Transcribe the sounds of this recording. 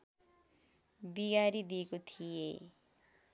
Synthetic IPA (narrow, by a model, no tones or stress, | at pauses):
biɡaɾid̪iekot̪ʰije